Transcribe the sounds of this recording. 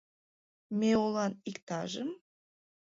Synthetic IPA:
meolˠɑnikt̪ɑʒəm

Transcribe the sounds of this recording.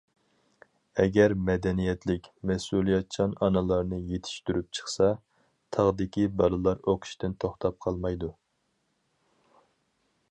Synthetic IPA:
ɛɡʲɛɾmɛd̪ɛnijɛt̪lɪkʲmɛsulˠijɛt̪̚t͡ʃʰɑnɑnɨlˠɑɾnɨjet̪ʰɪ̥ʃt̪yɾyp̚t͡ʃʰə̥χsɑ | t̪ʰɑʁd̪ɪkʲibɑlɨlˠɑɾoqʰʊ̥ʃt̪ɪnt̪ʰoχt̪ʰɑp̚qʰɑlˠmɑjd̪u

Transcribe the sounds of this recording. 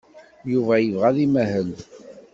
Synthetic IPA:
juvæjəvʁæðimæɦəl

